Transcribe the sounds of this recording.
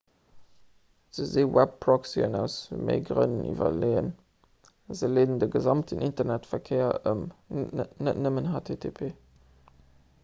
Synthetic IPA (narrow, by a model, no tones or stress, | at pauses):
z̥əzeːwɛp̚pʁɔksiənæʊsvəmʔḛɡʁə̰nənʔḭːvɐ̰leːən | zəleːdn̩dəɡəzɑmtʰənʔintɐnɛtfɛɐkʰeːɐəmənə̰tnəmənɦaːtʰeːtʰepʰeː